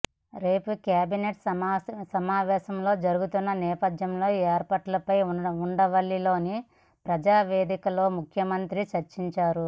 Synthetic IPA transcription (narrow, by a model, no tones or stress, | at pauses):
ɾe̞ːpukjaːbineʈsɐmaːʋɛːʃɐmlo̞ːd͡ʒɐɾuɡut̪unːɐnɛːpɐd̪jɐmlo̞ːɛːɾpɐʈɐlɐpɐjuɳɖɐʋɐɭːilo̞ːni | pɾɐd͡ʒaːʋeːd̪ikɐlo̞ːmukʰjɐmɐnt̪ɾit͡ʃɐɾt͡ʃiɲt͡ʃaːɾu